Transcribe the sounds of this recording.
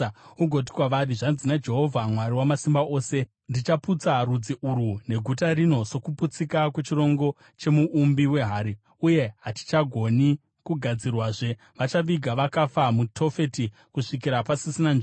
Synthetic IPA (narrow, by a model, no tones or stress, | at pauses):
uɡʱo̞t̬i̥kwaʋariʐanzinad͡ʒe̞ɦo̞vʱamwaɾiwamasimbaʔo̞ːse̞ | ndit͡ʃaput͡sarud͡ziʔuɾune̞ɡʱutarino̞so̞kuput͡sikakwe̞t͡ʃiro̞ŋɡo̞ | t͡ʃe̞muʔːmbiwe̞ɦaːɾi | uje̞ɦati̥t͡ʃaɡʱo̞ni | kuɡʱad͡zirwaːʐe̞ | ʋat͡ʃaʋiɡʱaʋakafamutʰo̞fe̞ti | kuʂikiɾapasisinand͡ʒ